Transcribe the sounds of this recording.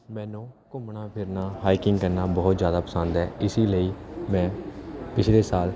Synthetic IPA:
mɛ̃ːnõːkʊmɳaːpʰɪɾnaːɦaːikɪŋɡkəɾnaːbɔːt̪zjaːd̪aːpəsə̃nd̪ɦɛːɪsiːləiːmɛ̃ːpɪt͡ʃʰleːsaːl

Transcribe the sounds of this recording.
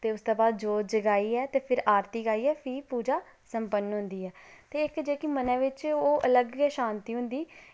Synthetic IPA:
t̪eːʊst̪oːbaːd̪d͡ʒoːd͡ʒəɡaːiːɛːt̪eːpʰɪɾaːɾt̪iːɡaːiːɛːpʰiːpuːd͡ʒaː | səmpənːɦʊ̃nd̪iːɛːt̪eːɪkd͡ʒeːkimənɛ̃ːʋɪt͡ʃoːʔələɡɛːʃãːnt̪iːɦʊ̃nd̪iː

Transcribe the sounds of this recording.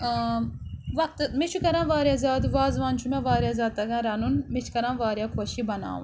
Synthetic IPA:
ʋɐk̚t̪ɨmit͡ʃʰukɐɾãːʋaːɾjaːzʲaːd̪ʋaːzʋaːnt͡ʃʰumãʋaːɾʲjaːzʲaːd̪̚t̪ɐɡãːɾɐnunmit͡ʃʰkɐɾãːʋaːɾjaːkʰoːʃibɐna̰ːʋṵ̃n

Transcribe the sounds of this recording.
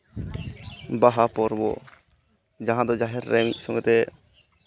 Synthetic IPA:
baɦapɔɾbɔ̰ | d͡ʒaɦãd̪ɔd͡ʒaɦɛɾːɛmisɔŋɡɛt̪ɛ

